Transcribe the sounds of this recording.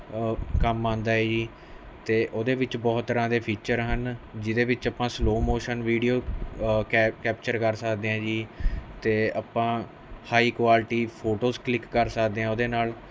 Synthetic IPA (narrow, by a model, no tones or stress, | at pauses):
kəmːãːnd̪aːɛːd͡ʒiː | t̪eːʔoːd̪eːʋɪt͡ʃbɔːt̪ːəɾãːd̪eːpʰiːt͡ʃəɾɦənd͡ʒɪd̪eːʋɪt͡ʃəːpãːsloːmoːʃənʋiːɖijoː | kɛːp̚t͡ʃəɾkəɾsəkʰd̪eːãːd͡ʒiːt̪eːapãː | haːiːkʋaːlʈiːpʰoːʈoːsklɪkːəɾsəkd̪eːãːoːd̪eːnaːl